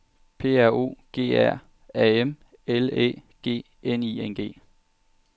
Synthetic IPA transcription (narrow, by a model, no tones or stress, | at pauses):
pʰe̝̰ːæɐ̰o̝̰ːɡ̥e̝̰ːæɐ̰ | ɛem | elḛːɡ̥e̝̰ː | eniːenɡ̥e̝̰ː